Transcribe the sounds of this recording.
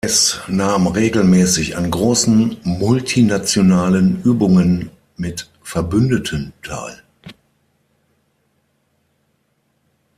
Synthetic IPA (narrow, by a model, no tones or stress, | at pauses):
ɛsnaːmʁeːɡl̩mɛːsɪça̰nɡʁoːsn̩mʊltʰinat͡sjonaːlənʔyːbʊŋən | mɪt | fɛɐbʏndətʰəntʰa̰ːl